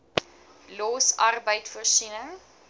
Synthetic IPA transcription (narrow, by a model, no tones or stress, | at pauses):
lɔːsɐrbəjtfərsinəŋ